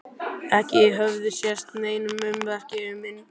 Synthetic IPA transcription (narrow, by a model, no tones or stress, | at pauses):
ɛhcɪɛɦœvðʏsjɛst̪neːjnʏmʏmvɛr̥cɪʏmːɪnː